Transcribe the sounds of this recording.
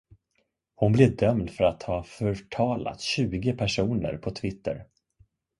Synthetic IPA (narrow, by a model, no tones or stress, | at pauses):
hʊnblɛvd̪œmd̪fœɾat̪hɑːfœʈʰɑːla̰t̪ɕʉ̟ːɡəpʰæʂuːnə̰ɾpʰɔt̪ʰvɪt̪ʰːə̰ɾ